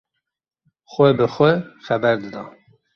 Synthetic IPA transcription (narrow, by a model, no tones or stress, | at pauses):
xʷɛbɨxʷɛxɛbɛɾd̪ɨd̪ɑː